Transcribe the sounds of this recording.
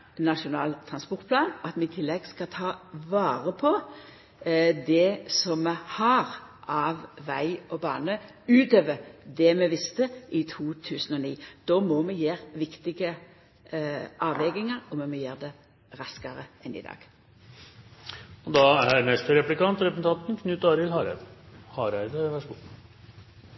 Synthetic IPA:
nɑʂʊnɑːlt̪ʰʁɑnspɔʁt̪̚pʰlɑːnɑt̪mɛɪt̪ʰɪlːɛɡskɑt̪ʰɑːʋɑːɾəpʰɔ | d̪ɛsɔmmɛhɑɾʔɑʋʋæɪɔbɑ̰ːnə | ʉːt̪øːʋəd̪ɛmɛʋɪst̪əʔɪt̪ʰuːt̪ʰʉːsən̩ɔniːd̪̥ɔmɔmɛjeːɾʋɪkt̪ɪɡə | ʔɑːʋɛɡɪŋɑɾɔmɔmɔjeːʁd̪ɛ | ɾɑskɑɾəɛnɪ̰d̪ɑ̰ːɡ̥ | ɔd̪ɑæɾnɛst̪əɾɛplɪkɑnt̪ɾɛps̩t̪ʰɑnt̪nkʰnʉt̪ːɑːɾɪlhɑɾæhɑːɾæɪd̪əʋæʂɡu

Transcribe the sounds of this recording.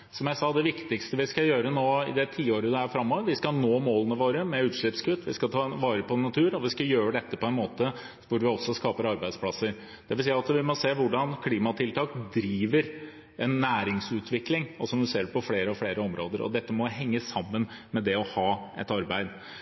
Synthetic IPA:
sɔmjæɪsɑːd̪ɛʋɪkt̪ɪkst̪əʋɪskɑjøːɾənoːɪ̰d̪ɛt̪ʰiːoːɾəd̪ɛæɾfɾɑmːɔːʋəɾʋɪskɑnoːmoːlənəʋoːɾəmɛʉːt̪ʂɭɪpskʉt̪ːʰʋɪ̰skɑt̪ʰɑʋɑːɾəpʰɔnɑt̪ʰʉːɾɔʋɪskɑjøːɾəɖ̪ɛt̪ːəpɔɛnmoːt̪ə | ʋʊɾʋɪɔsːɔskɑːpəɾɑɾbæɪd̪spʰlɑsəɾ | d̪̥ɛʋɪlsiːɑt̪ʋɪmɔseːʋʊɖɑnkʰliːmɑt̪ʰɪlt̪ʰɑːkd̪ɾiːʋəɾ | ɛnːæːɾɪŋsʉːt̪ʰʋɪklɪŋɔsɔmd̪ʉseːɖɛpɔfleːɾəɔfleːɾəɔmɾoːd̪əɾɔ̰d̪ɛt̪ːəmɔɦɛŋːəsɑmːən | mɛd̪ɛɔhɑːʔɛ̰t̪ɑɾbæɪd̪

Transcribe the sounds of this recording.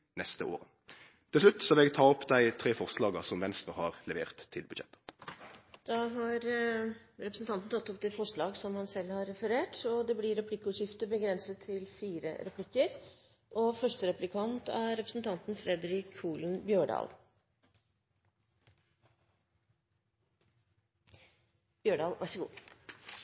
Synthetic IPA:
nɛst̪əo̰ːʁə | t̪ʰɪlslʉt̪ːsɔʋɪlɛɡ̚t̪ʰɑːɔpd̪æɪt̪ʰɾeːfɔʁslɑːɡɑsɔmʋɛnst̪ʁəhɑːʁlɛʋḛːʁt̪ʰːɪlbʉd̪ʃɛ̰t̪ːə̥ | d̪̥ɑɦɑɾ | ɾɛpɾəsn̩t̪ʰɑnt̪n̩t̪ɑt̪ːɔp̚d̪ɛːfɔʂɭɑːɡsɔmhɑnsɛlhɑɾɛfəɾeːʈɔd̪ɛblɪɾɛpʰlɪkːəʉːʂɪft̪əbəɡɾɛnsət̪ʰːɪlfiːɾə̰ɾɛpʰlɪkːəɾ | ʔɔfœʂʈəɾɛplɪkʰɑnt̪æɾɛpɾəsn̩t̪ʰɑnt̪n̩fɾɛd̪ɾɪkʰuːlnbjøːɖɑ̰ːl | b̥jøːɖɑːlʋæʂəɡṵː

